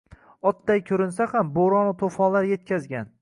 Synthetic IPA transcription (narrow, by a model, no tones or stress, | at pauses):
ɒt̪̚d̪ajkʲʰɵɾɪnsahamboɾɒnɪt̪ʰofɒnlaɾje̞t̪̚kʲʰazɡʲan